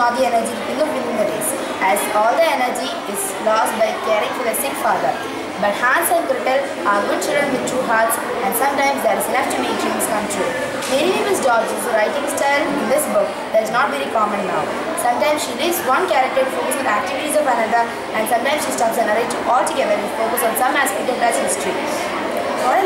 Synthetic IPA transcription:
ɔd̪iɛnəɾd͡ʒiɪ̃nɔʋʋɪ̃nɪ̃nd̪əɾeːs | æzɔːld̪əɛnəɾd͡ʒi | ɪz | lɔːsʈ̚baɪkeːɾɪ̃ŋfɔəsɪ̃ŋkfaːd̪əɾ | bʌʈhæ̃ːnsə̃nɖkɾɪʈəl | aɡʊɖ̚t͡ʃɪlɖɾə̃nʋɪd̪̚ʈʰuːɦaːɾʈs | æ̃ɳnɖsʌ̃mʈãɪ̃msd̪ɛːɾzlɛft͡ʃɨ̃mẽd͡ʒĩŋskʌ̃mt̪ʰɾṵː | meniɔfɪsɖɔːɡ̚d͡ʒɪ̃zɾaɪʈɪ̃ŋsʈalɪ̃nd̪ɪsbʊk | d̪æʈɪznɔːʈʋeɾikɔːmə̃nːa̰ʊ | sʌ̃mʈãɪ̃msʃiɾiːsʋʌ̃nkæɾək̚ʈəɾʈfoːkəsʋɪd̪æk̚ʈɪʋɪʈizɔʋənʌd̪ə | æ̃ɳɖsʌ̃mʈãɪ̃msʃiːsʈaːpsə̃nəɾẽd͡ʒɔːlʈuɡɛd̪əɾɪfoːkəsɔ̃ːnsʌ̃mæspɪʈə̃nlazhɪsʈɾi | ɔ

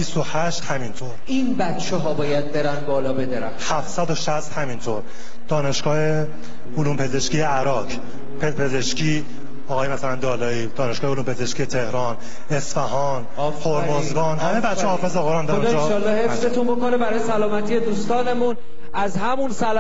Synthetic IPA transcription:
bist̪ohæʃt̪hæmint̪ʰoɾ | inbæt̪t͡ʃʰeɦɒːbɒːjæd̪̚beɾænbɒːlɒːbed̪eɾæ̰hæfsæd̪oʃæst̪hæmint̪ʰoɾ | d̪̥ɒːneʃɡ̥ɒːhe | uluːmpʰe̞ze̞ʃkijeæɾɒːkʰ | pʰepʰe̞ze̞ʃcʰiː | ɒːɣɒːjemæsælænd̪ɒːlɒːiːd̪ɒːne̞ʃɡ̥ɒːheuluːmpʰe̞ze̞ʃkʲije̞t̪ʰe̞hɾɒːn | esfæɦɒːn | fʰoɾmozɡɒːnhæmebæt̪ːʃehɒːfezeɣoɾɑːnd̪ | ʃɒlːɒhefse̞t̪unbokonebæɾɒːjesælɒːmæt̪ʰije̞d̪uːst̪ɒːne̞mun | æzhæmunsæl

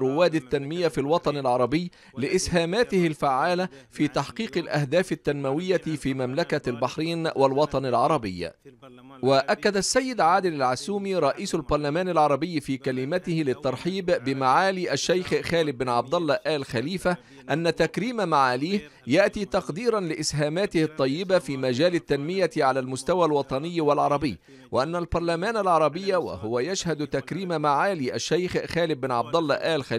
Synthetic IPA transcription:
rʊwaːd̪ɪt̪ːanmɪjafilwɑt̪ˤɑnɪlʕɑɾˤɑbɪjː | lɪʔɪshaːmaːt̪ɪhɪlfaʕːaːlafiːt̪ɑħqiːqɪlʔahd̪aːfɪt̪ːanmawɪjːafiːmamlakalbaħɾiːnwʔalwɑt̪ˤɑnɪlʕɑɾˤɑbɪjːa̰ | waʔakːad̪asːajːɪd̪ʕaːd̪ɪlalʕasuːmiːɾˤɑʔiːsalbɑɾˤlamaːnɪlʕɑɾˤɑbɪjːfiːkalɪmat̪ɪhɪlɪt̪ːɑɾˤħiːbːɪmaʕaːliːʔaʃːajxxaːlɪbːɪnʕɑb̚d̪ɑlˤːɑʔaːlxaliːfa | ʔanːat̪akɾiːmamaʕaliːh | jaʔt̪iːt̪ɑqd̪iːɾˤɑnlɪʔɪshaːmaːt̪ɪhɨt̪ˤːɑjːɪbafiːmad͡ʒaːlat̪ːanmɪjaʕalalmʊst̪awalwɑt̪ˤɑnɪjːwalʕɑɾˤɑbɪ̰jː | wɪʔanːalbɑɾˤlamaːnalʕɑɾˤɑbɪjːawa̰hʊwajaʃhad̪t̪akɾiːmamaʕaːliːʔaʃːajxxaːlɪbːɪnʕɑbd̪ɑlˤːɑʔaːlxa

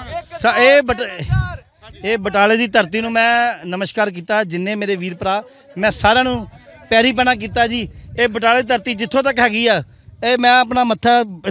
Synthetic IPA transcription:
seːb | eːbəʈaːleːd̪iːt̪əɾt̪iːnũːmɛ̃ːnəməʃkaːɾk̬iːt̪aːd͡ʒɪnːẽːmeːɾeːʋiːɾpəɾaː | mɛ̃ːsaːɾãːnũːpɛːɾiːp̬ɛːñaːk̬iːt̪aːd͡ʒiːeːbəʈaːleːd̪iːt̪əɾt̪iːd͡ʒɪt̪ʰːõːt̪əkɦɛːɡiːaː | eːmɛ̃ːəpnaːmət̪ʰːaː

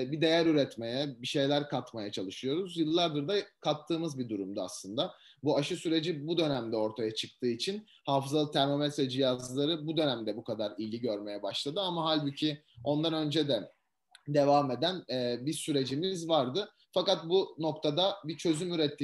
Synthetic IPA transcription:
bid̪e̞jæɾyɾɛt̪me̞jɛbiʃe̞jlʲæɾkʰat̪majat͡ʃʰalˠɯʃɯjo̞ɾuzjɯlˠːaɾd̪ɯɾd̪akʰat̪ʰːɯːmɯzbid̪uɾumd̪ua̰slˠɯnd̪a | buaʃɯsyɾe̞d͡ʒibud̪ø̞næmd̪ɛo̞ɾt̪ʰajat͡ʃʰɯk̚t̪ʰɯːit͡ʃʰin | haːfɯzalˠɯt̪ʰæɾmamɛsvɛd͡ʒijazlˠaɾɯbud̪ø̞næmd̪ɛbukʰad̪aɾilʲiɟø̞ɾme̞jɛbaʃlˠad̪ɯamaɦalʲbycʰio̞nd̪anø̞nd͡ʒɛd̪ɛ | d̪e̞vaːme̞d̪ænɛːbisyɾe̞d͡ʒimizvaɾd̪ɯ | fakat̪̚buno̞kt̪ʰad̪abit͡ʃʰø̞zymyɾɛt̪ʰːiː

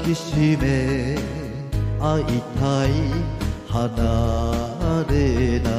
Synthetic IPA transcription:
kɪsime | aʔit̪ʰaihɐna | ɾena

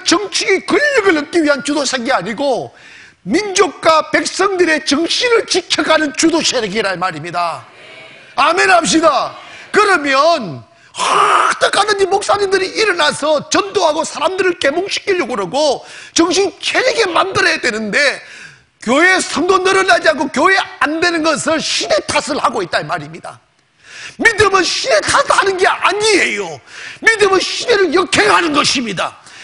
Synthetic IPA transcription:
t͡ɕʌŋt͡ɕʰiɡikɯʎːɯɡɯɭhʌk̚k͈iɥiɦant͡ɕudoɕʰeɡiaɲiɡo | mind͡ʑok̚k͈wape̞k̚s͈ʌŋdɯɾe̞t͡ɕʌŋɕʰinɯɭt͡ɕikʰʌɡanɯnt͡ɕudoɕʰeɾeɡiɾaɭmaɾimɲida | ame̞nɦap̚ɕ̬͈idakɯɾʌmjʌn | hat͈ʌk͈adɯnd͡ʑimok̚s͈aɲimdɯɾiiɾʌnasʰʌt͡ɕʌndoɦaɡosʰaɾamdɯɾɯɭke̞moŋɕʰi̥k͈iʎːoɡoɾʌɡot͡ɕʌŋɕ̬ʰiŋt͡ɕʰeɾiɡe̞mandɯɾʌjadwenɯnde̞ | kjoeːsʰʌŋdonʌɾɯɭnad͡ʑiɦaɡokjoɦe̞ande̞nɯnɡʌsʰɯɭɕʰide̞tʰasʰɯɭhaɡoit̚t͈amaɾimɲida̰ | midɯmɯnɕʰide̞tʰasʰɯɭhanɯnɡe̞ʔaɲie̞jomidɯmɯnɕʰide̞ɾɯɭjʌkʰe̞ɦanɯnɡʌɕʰimɲida̰

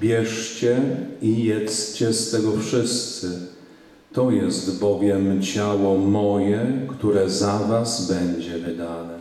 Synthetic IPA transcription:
bʲjɛʂt͡ɕɛijɛt̪st͡ɕɛst̪ɛɡɔfʂɘst̪sɘ | t̪ɔjɛst̪bɔvʲjɛmt͡ɕawɔmɔjɛkt̪uɾɛzavazbɛɲd͡ʑɛvɘd̪anɛ

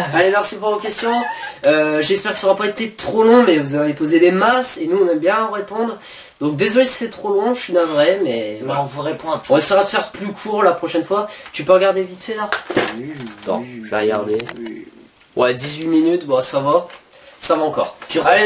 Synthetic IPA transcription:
alemɛʁsipuʁvokʲɛst̪jɔ̃øʒɛspɛʁkə̥səɔʁapaet̪et̪χolɔ̃mɛvuzavepozed̪emasenuɔ̃nɛmbjɛ̃ɑ̃ʁepɔ̃d̪ʁ | d̪ɔ̃k̚d̪ezəlessɛt̪χolɔ̃ʃynavʁɛmɛ̃vuʁepɔ̃aɔ̃neseʁad̪əfɛʁplykʰuʁlapχɔʃɛnfwat̪ypøʁəɡaʁd̪evit̪fed̪aʁ | nɔ̰̃ʒvḛʁəɡa̰ʁd̪e | wɛd̪izɥiminyt̪bɔ̃sava | savaɑ̃kɔ̰ːʁt̪ale

